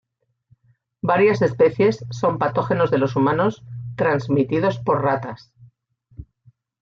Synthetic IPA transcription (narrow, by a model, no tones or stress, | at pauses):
baɾjase̞spe̞θje̞sːo̞mpat̪o̞xe̞no̞zðe̞lo̞sumãno̞st̪ɾanzmit̪ið̞o̞spo̞ɾrat̪as